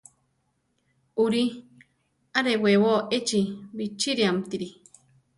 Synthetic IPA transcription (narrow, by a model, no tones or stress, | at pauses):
uɾi | aɾewewoʔet͡ʃibit͡ʃiɾiamt̪iɾi